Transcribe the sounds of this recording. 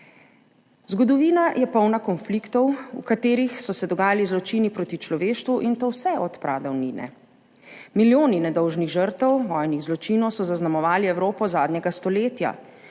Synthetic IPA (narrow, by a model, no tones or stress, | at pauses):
zɡɔd̪ɔʋiːnajɛpɔwnakɔnflikt̪ɔwṵkat̪eːɾixsɔsɛd̪ɔɡaːjalizlɔt͡ʃinipɾoːt̪it͡ʃlɔʋeːʃt̪ʋuʔint̪owsɛʔɔt̪pɾʔaːd̪ɔwniːnɛ̰ | miljoːninɛd̪ɔwʒniɣʒəɾt̪ɛwʋɔːjniɣzlɔt͡ʃiːnɔwsɔzaznamɔʋaːliɛwɾoːpɔzaːd̪ɲɛɡast̪ɔleːt̪ja̰